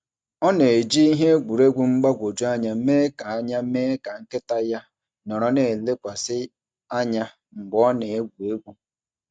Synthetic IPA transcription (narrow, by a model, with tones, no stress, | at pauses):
ɔ˦ne˨e˨d͡ʒi˦i˦ɦe˦ɡʷu˨ɾe˦ɡʷu˦ŋ͡m̩˦ɡ͡ba˦ɡʷo˨d͡ʒu˦a˦ɲa˨˦me˦ka˨a˦ɲa˦me˦ka˨ŋ̩˦ke˦ta˦ja˦ | nɔ˨ɾɔ˦ne˨e˨le˦kʷa˨sɪ˦ | a˦ɲa˦ | ŋ͡m̩˨ɡ͡bɔ˦ne˨e˦ɡʷu˨e˦ɡʷu˦